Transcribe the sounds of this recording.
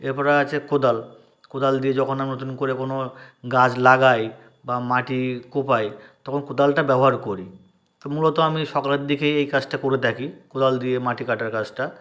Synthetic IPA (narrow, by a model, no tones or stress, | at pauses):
eɾpɔɾaat͡ɕʰekod̪al | kod̪ald̪ied͡ʑɔkʰonamnot̪̬unkoɾekonoɡad͡ʑlaɡaj | bamaʈikopajt̪ɔkʰonkod̪alʈabɛboɦaɾkoɾi | t̪omulot̪oamiʃɔkaleɾd̪ʱikejejkat͡ɕʈakoɾet̪ʰakikod̪ald̪ijemaʈikaʈaɾkat͡ɕʈa